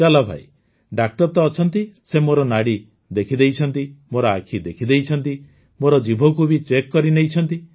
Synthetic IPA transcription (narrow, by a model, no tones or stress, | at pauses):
d͡ʒalabʱa̰j | ɖak̚ʈɔɾt̪ɔːt͡ʃʰɔnt̪isemoɾɔnaɽi | d̪ekʰid̪ejt͡ʃʰɔnt̪imoɾɔakʰid̪ekʰid̪ejt͡ʃʰɔnt̪i | moɾɔd͡ʒibʱɔk̬ubit͡ʃekːɔɾinejt͡ʃʰɔnt̪i